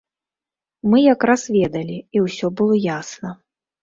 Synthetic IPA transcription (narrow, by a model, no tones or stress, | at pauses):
mɨjakɾasvʲɛd̪ɐlʲiiwsʲɔbɨlˠɔjasnɐ